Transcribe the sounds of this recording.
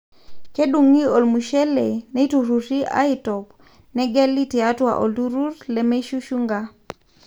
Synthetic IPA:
ke˦ɗu˨ŋi˦o˨lmu˨ʃɛ˦lɛ˨nɛ˦tu˨ɾu˨ɾi˦ʔa̰˦itɔp | nɛ˦ɡɛ˦li˦ti˨a˦twa̰ʔo˨ltu˦ɾu˦ɾlɛ˨me˦ʃu˦ʃu˦ŋɡa

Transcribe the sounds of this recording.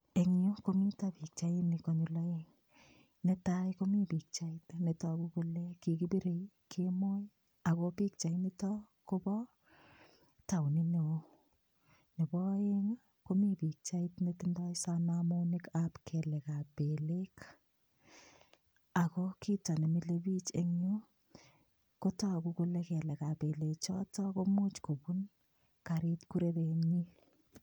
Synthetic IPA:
e˨ŋu˦komitapi˨k̚t͡ʃainikɔɲulaeŋ | netajkomi˦pik̚t͡ʃaitneta˨kuku˦leki˨kibi˦ɾe˨ikʰemo˦j | a˨kopi˦k̚t͡ʃa˨initɔ | kobɔ | ta˨wni˦ne˨o | ne˨bɔ˦eŋ | ko˦mi˦pi˨k̚t͡ʃa˦itnetindɔ˦isanamo˦nɪkapkʰɛ˨lɛ˨ka˨pelek | a˨kɔki˦ta˨ne˨mile˦bi˦t͡ʃeŋɲo˦ | kotɔ˦˨ku˨ku˦lɛ˦kɛ˨lɛ˨ka˨pe˨let͡ʃɔ̰˦tɔ˦komu˦t͡ʃko˨bu˦n | ka˨ɾɪ˦tkuɾe˦ɾe˨ɲi

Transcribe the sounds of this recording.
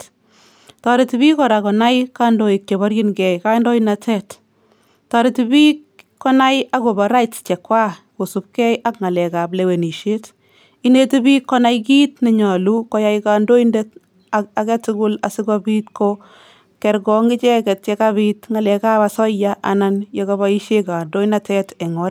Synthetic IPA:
tɔɾɪtɪbi˦kɔ˨ɾa˨kɔna˦jka˦ndo˦ɪk̚t͡ʃe˨bɔɾjɪ˦nɡɛjka˦ndɔ˦inatɛt | tɔ˨ɾɪtibi˦k | kːɔ˦na˦ja˦ɡo˨ba˨ɾa˦jtt͡ʃɛ˨kːwa˦ko˨su˨p̚kɛ˦ja˦kŋa˨lɛ˨ka˨plewe˨ni˨ʃet | ine˦tibi˦kːɔna˦jki˦tnɪ˨ɲa˨lu˦kɔ˨ja˦jka˨ndo˦indɛt | a˨kɛ˦tɪɡʊ˦la˨sɪ˦ka˦bi˦tko | kɛ˨ɾɡɔ˨ŋɡɪ˦t͡ʃɛ˦kɛ˨tt͡ʃɛ˦kabitŋa˨lɛ˨ka˦pasɔ˦jaʔa̰˨na˦nje˦kaba˦i˦ʃe˦ka˨ndo˦ina˦tɛ˦tɛ˨ŋɔɾ

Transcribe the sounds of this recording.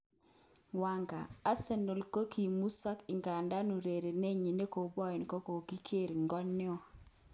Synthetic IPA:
wa˨ŋɡa̰˨a˦se˨no˨lko˦kʰi˨mu˦sa˦kɪ˨ŋɡa˨nda˦nu˨ɾe˨ɾe˨ne˦ɲi˨ne˦ko˨bɔ˦ɪ˨nkɔ˦ko˨ɡi˦kʰe˦˨ɾŋɡɔ˦nːɪ˦ɔ˦

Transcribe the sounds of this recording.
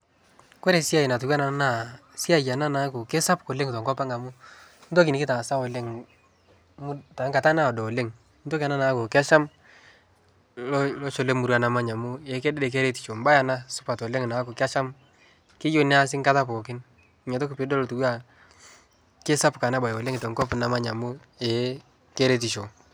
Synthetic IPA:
ko˦ɾe˨si˦a˦˨jɪ˨na˨tu˨kwa˦na˨˦na˦˨si˦a˨ja˨na˦na˨˦ko˨ke˦sa˦pko˨le˦ŋtɔ˨ŋɡɔ˦pa˦ŋa˨mʊ˦n̩˦to˦k̬ɪ˨nɪ˨kɪ˦ta˨sa˦ɔ˨le˦ŋ | mu˦ta˨˦ŋka˨ta˦na˦ɔ˨dɔ˨le˦ŋ | nto˦ka˨na˦na˨˦ko˨kɪ˦a˦ʃa˦m | llɔ˦t͡ʃo˨le˦mu˨ɾwa˨na˨ma˦ɲa˨mʊ˦e˨˦kɛ˦dɛ˦dɛ˨k̬e˦ɾe˦ti̥˨t͡ʃo˨m˦ba˦ja˨na˦sʊ̥˦pa˨tɔ˨le˦ŋ˨na˨˦ko˨kɪ˦a˦ʃa˦m | kɪ˦jo˦nɪ˦a˦s̬ɪ˦ŋka˦ta˦po˨kɪ˦n˦ | ɛ˨to˦kpɪ˨˦dɔ˦lo˨tu˨wa˦˨ | ke˦sa˦pka˨na˦ba˨jɔ˨le˦ŋɪ˨tɔ˨ŋkɔ˦pna˨ma˦ɲa˨mʊ˦ | ɛ˨˦ | ke˦ɾe˦ti˨t͡ʃo˨

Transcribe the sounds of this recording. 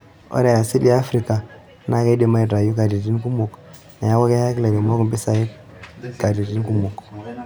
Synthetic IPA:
ɔ̰˦ɾa˨ja˨si˦da˦a˦fɾi˨ka˨˦ | na˦ke˦do˨ma˦i˨ta˨ju˦ka˨di˨ti˦nku˦mu˨k | na˨ja˦wa˦ke˦kle˨be˨mo˦ku˨mbi˦sa˨ji˦ | ka˨di˨ti˦nku˦mu˨k

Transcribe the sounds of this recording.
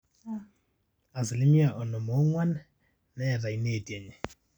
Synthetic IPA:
a˨sɪ˨lɪ˦mi˦a˨ʔɔ˨nɔ˨mo˦ŋwa˦n | nɛ˨ra˨i˦neː˨tʼie˨ɲɛ˨

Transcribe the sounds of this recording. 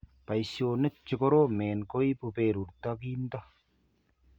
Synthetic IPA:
pa˨jso˨nɨ˦t͡ʃi˨ko˦ɾo˦meː˨nko˦i˦pu˧peː˨ɾu˨ɾt̪a˦kiː˦nt̪a˦

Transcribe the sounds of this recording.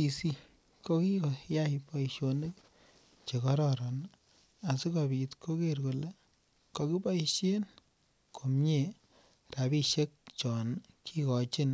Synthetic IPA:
i˨si˦ | ko˦ki˦ko˨ja˦jpɔ˨i˨ʃo˧nɨ˦k | t͡ʃe˨kɔ˦ɾɔ˦ɾɔ˨n | a˨si˦kɔ˨bi˨tkʰo˦ke˦ɾko˨le˦ | kɔ˧ki˦pɔ˦i˨ʃe˦n | kʰo˨mɲe˨ | ra˨bi˦ʃe˦k̚t͡ʃɔ˨nkʰi˦kɔ˨t͡ʃɪ˦n

